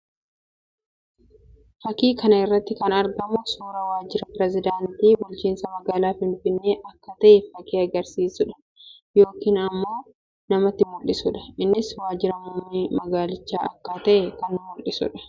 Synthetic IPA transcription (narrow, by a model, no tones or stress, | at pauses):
fɐkiːkɐnɐɪrːɐt̪ːɪkɐnɐɾɡɐmʊsuːɾɐwaːd͡ʒɪɾɐpɪɾɛzɪd̪aːnt̪iːbʊlt͡ʃiːnsɐmɐɡaːlaːfɪnfɪnːeːʔɐkːɐt̪ɐʔɛfɐkiːɐɡɐɾsiːsʊᶑɐ̥ | jo̞ːkiːnɐmːo̞ː | nɐmɐt̪ːɪmʊlːɪsʊᶑɐ̥ɪnːɪswaːd͡ʒɪɾɐmʊmːiːmɐɡaːlɪt͡ʃːaːʔɐkːaːt̪ɐʔɛkɐnmʊlːɪsʊ̰ᶑɐ̥